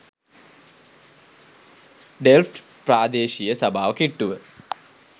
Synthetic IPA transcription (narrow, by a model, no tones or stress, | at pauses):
ɖelfʈ | praːd̪eːʃijəsɐbʱaːʋəkiʈːuʋə